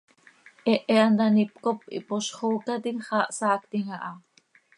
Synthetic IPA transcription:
ʔɛʔeand̪anip̚kopḭpoʃχoːkat̪iŋχɑːʔsaːkt̪iŋaʔɑ

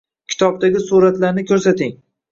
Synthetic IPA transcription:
kʲʰɪ̥t̪ʰɒb̚d̪aɡʲɪsuɾat̪laɾnɪkʲʰɵɾsat̪ɪŋ

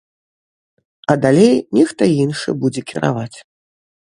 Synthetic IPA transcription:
ɐd̪alʲejnʲɛxt̪ɐinʂɨ̰bud͡zʲɛkʲiɾa̰vat͡sʲ

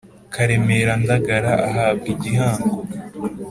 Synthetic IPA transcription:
kʰaɾe̞meɾandaɡaɾaʔaɦaːbɡiɟihaːŋɡo

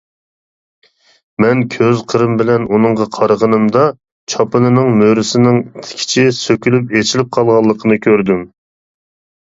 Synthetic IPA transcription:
mɛnkʲʰøzqʰəɾɨmbɪlɛnunɨɴʁɑqʰɑɾəʁənɨmd̪ɑ | t͡ʃʰɑpɨnɨnɨŋmøɾɪsɪnɪŋt̪ʰɪ̥kʲʰi̥t͡ʃʰisøkʲylypet͡ʃʰilɪp̚qʰɑlˠʁɑlˠːəqʰənɨkʲʰøɾd̪ym

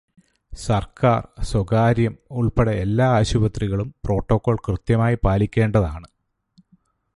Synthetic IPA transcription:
sɐrkʰa̰ːrswoɡaːɾjɐmuɭpeɽeelːaːaːɕubɐt̪riɣɐɭumpro̞ːʈːo̞kːo̞ːɭkrɨt̪jɐmaːjipaːlikʲːeːɳɖɐðaːɳɨ

